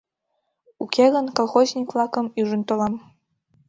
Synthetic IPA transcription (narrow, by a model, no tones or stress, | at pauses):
ukʰeɣənkolˠxozʲnʲikvlˠɑkə̆myʒənt̪olˠɑm